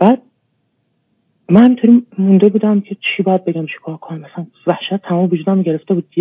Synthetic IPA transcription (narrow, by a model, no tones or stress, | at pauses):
b̥æːd̪̚ | mænhæmint̪ʰoɾiːmund̪ebuːd̪æmcʰe̞t͡ʃʰiːbɒːjæd̪̚be̞ɡɟæmt͡ʃʰi̥kʰɒːɾkʰonæmæsæn | væhʃæt̪̚ʰːæmɒːmevud͡ʒuːd̪æmoɟe̞ɾeft̪e̞buːd̪̚ːi